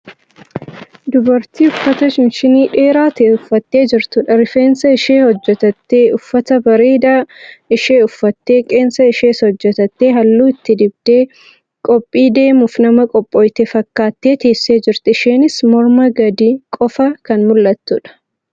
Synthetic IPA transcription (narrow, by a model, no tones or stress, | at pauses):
d̪ʊbɐɾt̪iːʊfːɐt̪ɐʃɪnʃɪniːᶑe̞ːɾaːt̪eːʊfːɐt̪ːe̞ːd͡ʒɪɾt̪ʊᶑɐɾɪfeːnsɐɪʃeːhɔd͡ʒːɛt̪ɐt̪ːeːʔʊfːɐt̪ɐbɐɾeːd̪aːʔɪʃe̞ːʊfːɐt̪ːe̞ːkʼe̞ːnsɐɪʃeːshɔd͡ʒːɛt̪ɐt̪ːe̞ːɦɐlːuːɪt̪ːɪd̪ɪbd̪̥e̞ː | kʼɔpʼːiːd̪e̞ːmʊfnɐmɐkʼɔpʼːɔːjt̪efɐkːaːt̪ːe̞ːt̪e̞ːsːeːd͡ʒɪɾt̪ɪɪʃe̞ːnɪsmɔɾmɐɡɐd̪iːkʼɔfɐkɐnmʊlːɐt̪ːʊᶑɐ̥